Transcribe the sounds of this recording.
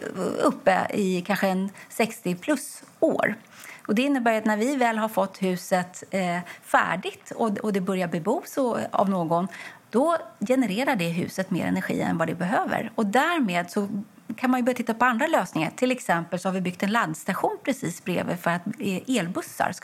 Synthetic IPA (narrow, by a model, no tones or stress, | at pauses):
ɵpːə̰ɪkʰanɧəɛnsɛkst̪ɪpʰlɵso̰ːɾ | ɔd̪ɛɪnːəbæːjat̪næɾvɪvɛːlɦaɾfɔt̪ːhʉ̟ːsət̪ | fæ̰ːɖɪɡt̪ɔɔd̪ɛbœɾjabɛbuːsɔa̰vnoːɡɔnd̪̥ɔjɛnɛɾeːɾaɖɛɦʉ̟̰ːsət̪mḛːɾɛ̰næɾɧḭːɛ̰nvad̪ɛbɛɦøːvə̰ɾɔd̪æɾmeːd̪sɔ | kʰanmanjɵbœɾjt̪ɪt̪ːapʰɔand̪ɾaløːsnɪŋa̰ʈʰɪlɛksɛmpəlsɔhaɾvɪbʏkt̪ɛnland̪st̪aɧuːnpʰɾɛsiːsbɾḛːvə̰fœɾat̪eːlbɵsːa̰ɾs